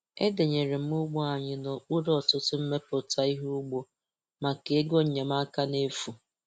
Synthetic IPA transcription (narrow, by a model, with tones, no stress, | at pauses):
e˦de˨ɲe˨ɾe˨m̩˦mʊ˦ɡ͡bɔ˦a˨ɲɪ˨nɔ˨k͡pu˦ɾɔ˨tʊ˦tʊ˦m̩˦me˦pʊ˨ta˨i˦ɦu˦ʊ˦ɡ͡bo˦ | ma˨ke˨˦ɡo˦˨ɲe˨ma˦ka˦ne˦fu˨